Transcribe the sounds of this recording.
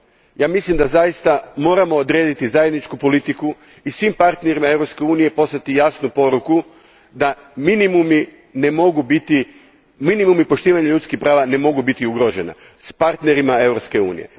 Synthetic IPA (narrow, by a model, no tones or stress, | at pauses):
jaːmislimd̪azajist̪amo̞ːɾamo̞ːd̪ɾe̞ːd̪it̪izajed̪nit͡ʃkupo̞lit̪iku | isʋimpaɾt̪ne̞ɾimae̞ʋɾopske̞uːnije̞po̞sat̪ijaːsnupo̞ɾuku | d̪a | minimumi | nemo̞ɡubit̪i | minimumipo̞ʃt̪iːʋaɲaʎut̪skixpɾaːʋane̞mo̞ɡubit̪iuɡɾoʒena̰ | spaɾt̪ne̞ɾimae̞ʋɾopske̞ṵːnije̞̰